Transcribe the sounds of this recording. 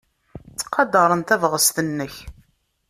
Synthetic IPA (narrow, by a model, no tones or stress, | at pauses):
t͡sːə̥qːɑd̪ɑɾˤənt̪ævʁəst̪ənːəç